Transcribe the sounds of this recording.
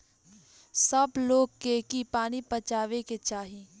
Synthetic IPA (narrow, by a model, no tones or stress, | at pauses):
sɐbloːɡ̚kekipaːnipɐt͡ʃaːʋeket͡ʃaːɦi